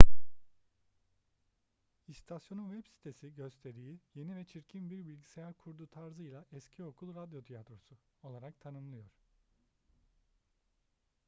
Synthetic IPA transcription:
ist̪ʰasjo̞nunvɛbsi̥t̪ʰe̞siɟø̞st̪ʰe̞ɾijije̞nivɛt͡ʃʰiɾcʰimbiɾbilʲɟisejæɾkʰuɾd̪uːt̪ʰaɾzɯjlˠaʔɛscʰio̞kʰulˠɾad̪jo̞t̪ʰijat̪ɾo̞su | o̞lˠaɾak̚t̪ʰanɯmlˠɯjo̞ɾ̥

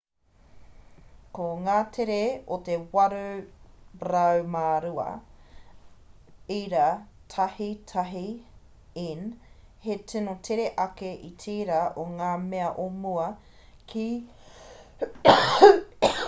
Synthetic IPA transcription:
koŋaːt̪ʰeɾeot̪ewɐɾu | ɾɐwmaːɾuɐ̰ | iɾatʰɐhitʰɐɦi | in | hetʰinotʰeɾeʔɐkeʔitʰiːɾaʔoŋaːmeɐʔomuɐ | kʰi

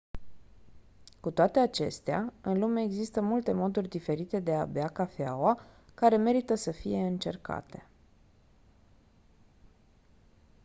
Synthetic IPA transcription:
kut̪oat̪e̞at͡ʃe̞̰st̪ea̰ɨnlume̞ːɡzist̪əmult̪e̞mo̞d̪urʲd̪ife̞ɾit̪e̞d̪e̞abeakafea̰wakaɾe̞me̞ɾit̪əsəfije̞ɨnt͡ʃe̞rka̰t̪e̞̥

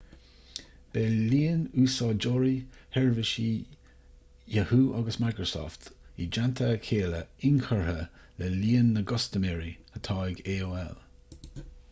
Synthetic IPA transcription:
b̥eːliːənuːsɑːd͡ʒɔɹihɛɹvɪʃi | jəhuːʔaɡəsmajkɹəsɔ̰ːft̪id͡ʒant̪ʰəkʰeːləɪnkʰəɹhə | lɛliːənːəɡɔstəmɛɹihət̪ʰɑːɪɡeːoːɛ̰l

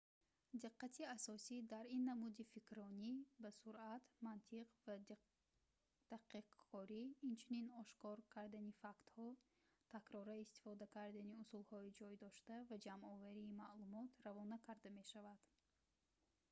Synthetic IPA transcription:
d̪iqːat̪ʰiasɔsid̪aɾinːamud̪ifikɾɔnibasuɾʔat̪mant̪ʰiqva | d̪̥aqiqʰːɔɾiːnt͡ʃʰuninɔʃkɔɾkʰaɾd̪anifakt̪hɔ | t̪ʰakɾɔɾaist̪i̥fɔd̪akʰaɾd̪aniusulhɔid͡ʒɔjd̪ɔʃt̪avad͡ʒamɔvaɾiːmaʔlumɔt̪ravɔnakʰaɾd̪ame̞ʃavad̪̥

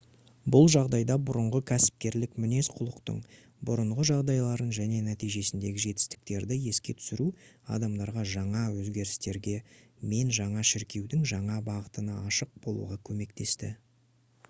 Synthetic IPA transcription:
bʊlˠʒɑʁd̪ɑjd̪ɑbʊɾʊɴʁəkʲʰæsɪ̥p̚kʲe̞ɾlɪkmʏne̞sqʰʊlˠəqt̪ə̰ɴ | bʊɾəɴʁəʒɑʁd̪ɑjlˠɑɾənʒæne̞næt̪ijʒe̞sɪnd̪e̞ɡʲɪʒe̞t̪ɪ̥st̪ɪ̥k̚t̪e̞ɾd̪ɪje̞skʲe̞t̪ʰʏ̥sɪɾuɑ̰d̪ɑmd̪ɑɾʁɑʒɑɴɑwɵzɡʲe̞ɾɪst̪e̞ɾɡʲe̞me̞nʒɑɴɑʃɪɾkʲe̞wd̪ɪŋʒɑɴɑbɑʁət̪ənɑːʃəq̚bo̞lˠṵʁɑkʲʰɵme̞k̚t̪ʰe̞st̪ɪ

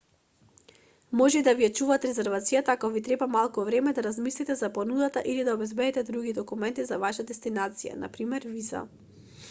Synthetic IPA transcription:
mɔʒɛd̪aviɛt͡ʃuvat̪ɾɛzɛɾvat̪sijat̪aakɔvit̪ɾɛbamalˠkuvɾɛmɛd̪aɾazmislit̪ɛzaponud̪at̪aʔilid̪aɔbɛzbɛd̪ɛt̪ɛd̪ɾuɡid̪ɔkumɛnt̪izavaʃad̪ɛst̪inat̪sija̰na̰pɾimɛɾviza̰

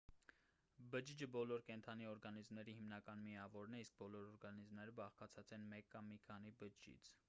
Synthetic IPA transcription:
bəd͡ʒid͡ʒəbɔlɔɾkɛnt̪ʰɑniɔɾɡɑnizmnɛɾihimnɑkɑnmiɑvɔɾnɛisk̚bɔlɔɾɔɾɡɑnizmnɛɾəbɑχkɑt͡sʰɑt͡sɛnmɛkːɑmːikʰɑnibəd͡ʒd͡ʒḭt͡sʰ

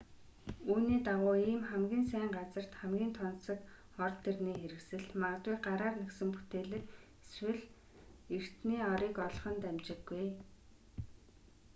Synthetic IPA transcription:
uːniːt̪aʁʊːiːmχæmɡʲiːnsæːɴɢat͡sə̆r̥t̪χæmɡʲiːnt̪ʰɔnsɞ̆k | ɔrt̪ʰːerniːxeɾɘ̆ksɘ̆ɮmaʁt̪wujɢaɾaːrneksɘ̆mpu̥t̪eːɮɘ̆k | eswɘ̆ɮ | er̥t̪niːɔɾiːkɔɮχə̆nt̪æmt͡ɕɪ̆ɡːuj

